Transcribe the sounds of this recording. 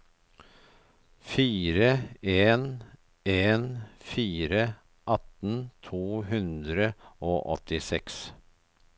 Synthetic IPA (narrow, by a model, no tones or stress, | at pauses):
fiːɾəeːn | eːnfiːɾə | ʔɑt̪n̩t̪ʰuːɦʉnd̪ɾəoːʔɔ̰t̪ɪsɛks